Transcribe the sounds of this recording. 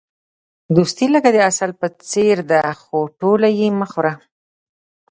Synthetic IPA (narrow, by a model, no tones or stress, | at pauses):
d̪ust̪iləɡad̪əasalpət͡seɾd̪axoʈolajeməxwɾa